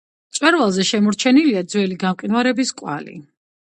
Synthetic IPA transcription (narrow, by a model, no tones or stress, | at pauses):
t̪sʼwɛɾvalˠzɛʃɛmɔɾt͡ʃʰɛniliad̪zwɛliɡamqʼinvaɾɛbiskʼwa̰lḭ